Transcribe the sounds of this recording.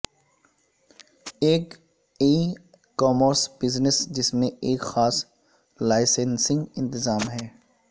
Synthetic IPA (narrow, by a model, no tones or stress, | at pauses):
eːk | e | kɔːməɾsbɪznɪsd͡ʒɪsmẽeːkxaːs | laːɪsensɪ̃ŋɡɪ̃nt̪ɪzaːmɦɛː